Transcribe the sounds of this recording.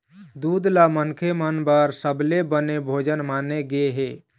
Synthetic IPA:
d̪ud̪lamənkʰemənbəɾsəblebənebʱod͡ʒənmaneɡeɦe

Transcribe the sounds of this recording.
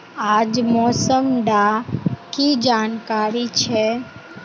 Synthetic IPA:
ad͡ʒmɔːsəmɖakid͡ʒaːnkaɾit͡ʃʰe

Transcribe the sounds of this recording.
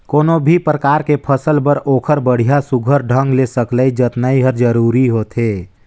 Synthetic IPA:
koːnobʱipɾəkaːɾkepʰəsəlpəɾoːkʰəɾbəɽ̤ijasuɡʱəɾɖʱə̃ŋɡlesəkləid͡ʒət̪naiɦəɾd͡ʒəɾuːɾiɦot̪ɦeː

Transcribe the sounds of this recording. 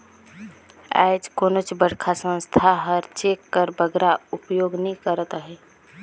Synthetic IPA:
a̰ɪd͡ʒkoːnot͡ʃbəɽkʰasə̃nst̪ʰaɦəɾt͡ʃekːəɾbəɡɾaʊpjoɡnɦĩkəɾət̪ɦɛ

